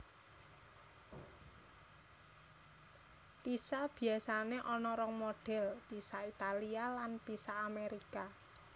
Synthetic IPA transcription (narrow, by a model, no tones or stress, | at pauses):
pisab̥i̤asaneʔɔnɔɾɔŋmoɖ̥ɛ̤lpisait̪alialanpisaːmeɾika